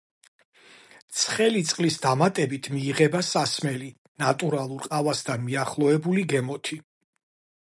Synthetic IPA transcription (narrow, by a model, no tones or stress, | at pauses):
t̪sʰχɛlit̪sʼqʼlisd̪amat̪ʼɛbit̪ʰmiːʁɛbasasmɛli | nat̪ʼuɾalˠuɾqʼavasd̪anmiaχlˠɔɛbuliɡɛmɔt̪ʰi